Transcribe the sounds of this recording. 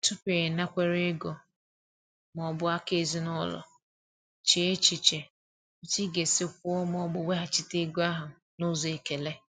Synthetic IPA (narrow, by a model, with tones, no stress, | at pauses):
tʊ˦pe˨na˦kʷe˦ɾe˦ɡɔ˨ | m˨ɔ˨bʊ˦a˦ke˦˨zi˦nɔ˦lɔ̰˨ | t͡ʃe˨˦e˦t͡ʃi˨t͡ʃe˨˦ | ti˦ɡe˨sɪ˦kʷʊ˦ɔ˦m˦ɔ˦bʊ˨we˦ɦa˨t͡ʃɪ˦te˦ɡo˦a˦ɦʊ˨ | nʊ˦ze˨ke˨le˦